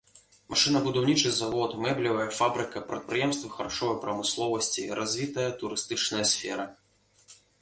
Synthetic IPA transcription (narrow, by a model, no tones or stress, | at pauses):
mʔaʂɨnɐbud̪awnʲit͡ʂɨzavɔt̪mɛblʲivɐjɐfabɾɨkɐpɾɐ̰t̪̚pɾɨjɛmst̪vɨxɐɾaʂɔvɐjpɾɐmɨslˠɔvɐsʲt͡sʲiɾʔazʲvʲit̪ɐjɐt̪uɾɨst̪ɨt͡ʂnɐjɐsʲfʲɛ̰ɾɐ